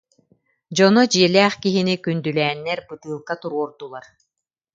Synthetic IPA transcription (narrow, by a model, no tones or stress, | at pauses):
d͡ʑɔnɔd͡ʑiɛlʲɛːχkiɦinikynd̪ylɛːnːɛɾbɯt̪ɯːlˠkat̪uɾuɔɾd̪ulˠaɾ